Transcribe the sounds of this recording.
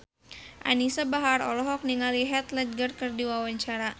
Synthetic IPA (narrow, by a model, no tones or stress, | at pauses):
ʔa̰nisabaɦaɾɔ̰lɔɦɔk̚niŋaliɦɛt̪lɛt̪̚ɡərkɨrdiwawaɲt͡ʃaɾa